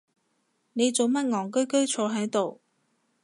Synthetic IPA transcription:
ne˨˧jt͡so˨wmɐ˥t̚ŋɔː˨ŋk̬ɵ˥ɥkɵ˥ɥt͡ʃʰɔː˧ɦɐ˨˥jt̪o˨w

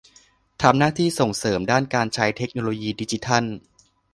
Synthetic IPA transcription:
t̪ʰa˧mnaː˥˩t̪ʰiː˥˩so˨˩ŋsɤː˩˦mdaː˥˩nkaː˧nt͡ɕʰa˦˥jt̪ʰe˦˥k̚noː˧loː˧jiː˧di˧˥t͡ɕi˦t̪ʰa˥˩n

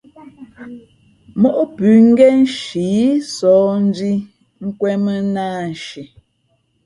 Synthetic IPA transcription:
mɔ˦ʔpʉ˨ŋ̩˦ɡɛ˦n˦ʃi˨˦sɔː˨˦n̩˦di˦ | ŋ̩˦kwɛ˦mə˦naː˦˨n̩˨ʃi˨

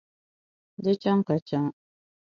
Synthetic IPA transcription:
de˦t͡ʃa˦ŋka˨t͡ʃa˦ŋ

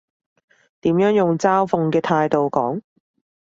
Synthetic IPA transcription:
t̪iː˨˥mjœː˨˥ŋjʊ˨ŋt͡saː˥wfʊ˨˧ŋkɛː˧t̪ʰaː˧jt̪o˨wkɔː˨˥ŋ

